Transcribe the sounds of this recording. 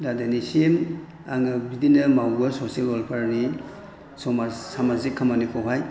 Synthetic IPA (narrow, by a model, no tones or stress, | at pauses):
ladenisem | aŋɯbidinɐmawɡɯsosielolpʰaɾni | sɔmasamazikʰːamanikʰowɦaj